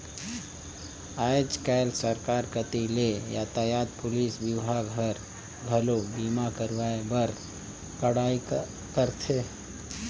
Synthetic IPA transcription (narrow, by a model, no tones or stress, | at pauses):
ad͡ʒkɛlsəɾkaːɾkət̪ilejaːt̪ajaːd̪̚pʊliːsbiwɦaɡʱəɾ | ɡʱəlobiːmakəɾʋaebəɾ | kəɽaːi | kəɾt̪ʰe